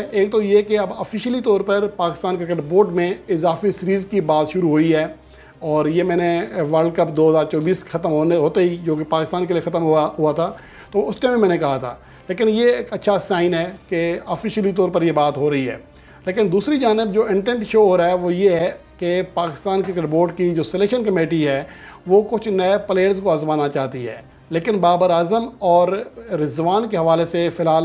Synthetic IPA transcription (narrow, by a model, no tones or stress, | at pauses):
eːk̚t̪ojekeɐbɔfɪʃəlit̪ɔːɾpɐɾpaːkɪst̪aːnkɾɪkəʈboːʈmẽɪzaːfisɪɾiːzkibaːt̪ʃʊɾuɦoːiɦɛː | ɔːɾjemɛ̃ːneʋəɾɖ̚kɐpd̪oːɦɐzaːɾt͡ʃɔːbiːsxɐt̪əmɦoːnɦoːt̪eɦid͡ʒoːkepaːkɪst̪aːnkeliexɐt̪əmɦaɦuat̪ʰaː | t̪oʊsʈɛ̃ːmemɛ̃ːnekɐɦat̪ʰa̰ː | leːkɪnjeːkɐtːʃʰasaːɪnɦɛːkeɔːfɪʃəlit̪̬ɔːɾpɐɾjebaːt̪ɦoɾɐɦiɦɛ̰ː | leːkɪnd̪uːsɾid͡ʒaːnɪbd͡ʒoːɪ̃ɳʈɛ̃ɳʈʃoːɦoːɾaːɦɛʋojeɦɛkepaːkɪ̥st̪aːnkekɖboːɖkid͡ʒoːsɛlɛkʃənkɐmeːʈiɦɛːʋokʊt͡ʃʰnɐepleːəɾzkoaːzmaːnat͡ʃaːɦt̪iɦɛ̰ː | leːkɪnbaːbəɾaːzəmɔːɾɾɪzʋaːnkeɦɐʋaːlesefɪlɦaːl